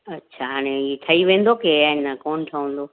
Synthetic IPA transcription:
ɐɕʰaɦaːɽ̃eit̪ʰɐiʋẽːn̆d̪okeanakoːnt̪ʰɐʋə̃ːn̆d̪oː

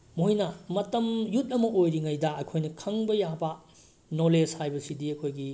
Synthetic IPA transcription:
moɦinɐmɐtɐmjut̚ɐmɐʔojɾiŋajdɐɐkʰojnɐkʰɐŋbɐjabɐ | noleshajbɐsidiɐkʰojɡi

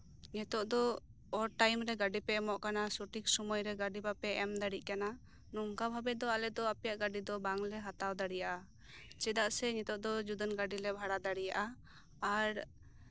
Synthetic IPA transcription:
ɲɛt̪ɔʔd̪ɔ | ɔɾʈajmɾɛɡaɖipɛɛmɔʔkanasuʈik̚sumɔjɾɛɡaɖipapɛʔɛmd̪aɽic̚ˀkana | nɔŋkabʱabɛd̪ɔalɛd̪ɔapɛjaʔɡaɖid̪ɔbaŋlɛɦat̪awd̪aɽijaʔa | t͡ʃɛd̪aʔsɛɲɛt̪ɔʔd̪ɔd͡ʒud̪ənɡaɖilɛbʱaɽad̪aɽijaʔa | aɾ

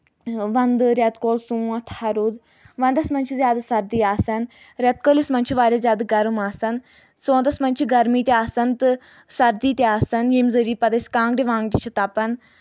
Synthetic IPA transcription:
ʋɐnd̪ɨɾʲɐt̪koːlsũːɐt̪ʰhɐɾud̪ | ʋɐnd̪ɐsmɐnʲt͡ʃʰizjaːd̪asɐɾd̪iːaːsɐn | ɾʲɐt̪̚kolismɐnʲt͡ʃʰiʋaːɾʲjaːzjaːd̪ɡɐɾumaːsɐn | sõːnt̪ɐsmɐnʲt͡ʃʰiɡɐɾmiːt̪eaːsɐnt̪ɨ | sɐɾd̪iːt̪eaːsɐnjimzɐɾiːpɐd̪ɐsʲkãːŋɡɖiʋãːŋɡɖit͡ʃʰit̪apɐn

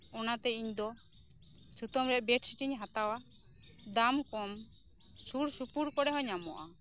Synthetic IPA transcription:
ɔnat̪ɛiɲd̪ɔ | t͡ʃut̪ɔmɾɛʔbɛʈsiʈiɲɦat̪awa | d̪amkɔm | suɽsupuɽkɔɽɛɦɔɲamɔʔa

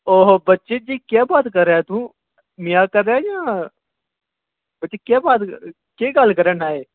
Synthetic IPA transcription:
oːɦobətːʃed͡ʒiːkjaːbaːt̪kəɾeat̪ũː | mɪjakəɾːeajãː | bətːʃekjaːbaːt̪ | keːɡalkəɾenaːeː

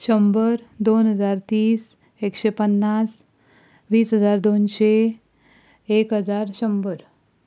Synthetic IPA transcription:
ɕəmbəɾd̪onɦəd͡zaɾt̪iːs | ekɕepənːas | ʋiːsɦəd͡zaɾd̪onɕe | ekɦəd͡zaɾɕəmbəɾ

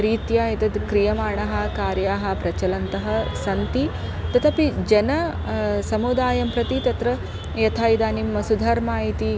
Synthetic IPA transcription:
ɾiːt̪jaːit̪ɐd̪kɾijɐmaːɳɐɦɐ̆kaːɾjaːɦɐ̆pɾɐt͡ʃɐlɐnt̪ɐɦɐ̆sɐnt̪it̪ɐt̪ʰɐpid͡ʒɐnɐ | sɐmud̪aːjɐmpɾɐt̪it̪ɐt̪ɾɐ | jɐt̪ʰaːjid̪aːnimːɐsud̪ʱɐɾmaːjit̪i

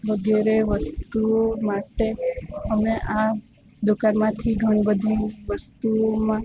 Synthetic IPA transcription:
ʋəɡeɾeʋəst̪umaʈeɦəmeʔa | d̪okanmãt̪ʰiɡʱəɽ̃ibəd̪ʱiʋəst̪umã

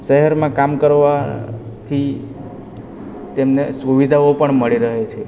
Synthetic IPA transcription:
ʃəɦɛɾmãkamkəɾʋat̪ʰi | t̪emnesuʋid̪ʱaopəɳməɭiɾəɦet͡ʃʰe

